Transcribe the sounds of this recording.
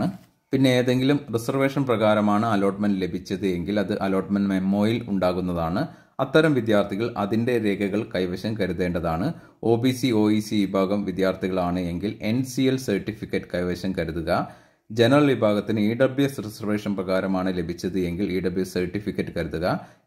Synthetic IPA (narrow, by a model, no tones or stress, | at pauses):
ɨ | pinːe̞ːðe̞ŋɡilumrisɐrʋe̞ːʂɐnprɐɣaːɾɐmaːɳɨɐlo̞ːʈmɐndle̞bʱit͡ɕːɐðɨe̞ŋɡilɐðɨʔɐlo̞ːʈmɐnmemːo̞ːjilṵɳɖaːɣunːɐðaːɳɨ | ɐt̪ːɐɾɐmʋid̪jaːrt̪ʰiɣɐɭʔɐ̰ðinde̞ɾe̞ːɡɐɣɐɭkɐjʋɐɕɐmkɐɾuðe̞ːɳɖɐðaːɳɨ | o̞ːbisio̞ːisiʋibʱaːɡɐmʋid̪jaːrt̪ʰiɣɐɭaːɳɨe̞ŋɡile̞nsielsɐrʈːifikʲːɐʈːɨ̥kɐjʋɐɕɐmkɐɾuðuɣɐ | d͡ʑe̞nɐrɐɭʋibʱaːɣɐt̪ːinɨiːɖɐbiesresɐrʋe̞ːʂɐnprɐɣaːɾɐmaːɳɨle̞bʱit͡ɕːɐðɨe̞ŋɡiliːɖɐbiesɐrʈːifikʲːɐʈːɨkɐɾuðuɣɐ